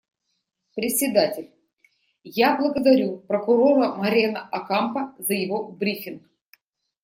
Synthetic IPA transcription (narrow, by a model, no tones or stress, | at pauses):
pɾʲɪt̪sʲɪd̪atʲɪlʲ | jablˠəɡəd̪ɐɾʲupɾəkʊɾo̞ɾəmɐɾʲenəʔɐkampəzəjɪvo̞bɾʲifʲɪnk